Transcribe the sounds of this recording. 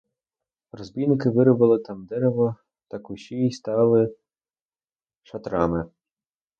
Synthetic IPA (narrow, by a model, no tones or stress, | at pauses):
rɔzbʲijnɪkɪʋɪɾɔbɪlˠɪt̪ɑmd̪ɛɾeʋɔ | t̪ɑkʊʃʲiist̪ɑlˠɪ | ʃɐt̪ɾɑmɪ